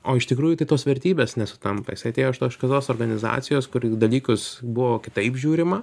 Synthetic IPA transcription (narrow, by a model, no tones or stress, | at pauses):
oːɪʃt̪ʲɪkɾuːjʊt̪ɐɪt̪oːsʋʲɛɾʲt̪ʲiːbʲeːsnʲɛsʊ̥t̪ɐmpɐ̰jɪsɐɪɐt̪ʲeːjoʃt̪oːʃkɐt̪oːsoːrɡɐnʲɪzɑ̰ːt̪sʲɪjoːskʊɾd̪ɐlʲiːkʊsbʊʋoːkʲɪt̪ɐɪpʒʲuːɾʲɪmɐ